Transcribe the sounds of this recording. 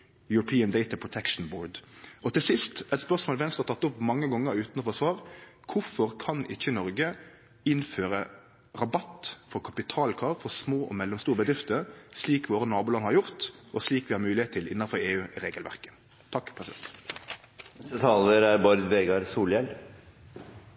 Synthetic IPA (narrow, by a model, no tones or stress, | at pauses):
jʉɾʊpʰiːənd̪eɪt̪ɑpʰɹʊt̪ʰɛkʂn̩boːɖɔt̪ɪlsɪst̪ɛt̪spœʁsmoːlʋɛnst̪ɑt̪ɑt̪ːʊpːmɑŋːəɡɔŋːəɾʉːt̪nɔfɔsʋɑːʁkʰʊfɔʁkʰɑnɪ̰çːənɔɾɡə | ɪnføːɾə | ʁɑbɑt̪fɔʁkʰɑpɪt̪ʰɑːlkʰɑːʁfɔsmoːʔɔ̰mɛlːɔmst̪uːɾəbəd̪ɾɪft̪əsliːkʋoːɾənɑːbuːlɑnːəhɑɾjʊʁt̪ʔɔsliːkʋɪhɑːɾmʉːlɪheːt̪t̪ʰɪlʔɪ̰nːɑnfɔɾeːʉːʔɪʁeːɡəlʋæ̰ʁkə̥ | t̪ʰɑkːpʰʁɛsɪd̪ɛ̰nt̪ | ɛət̪ʰɑːləɾæɾbɑɾd̪ʋeːɡɑɾsuːljɛl